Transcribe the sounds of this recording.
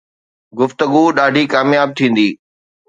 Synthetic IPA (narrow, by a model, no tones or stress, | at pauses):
ɡʊft̪əɡuɗaːɖʱikaːmjaːb̚t̪ʰĩːn̆d̪iː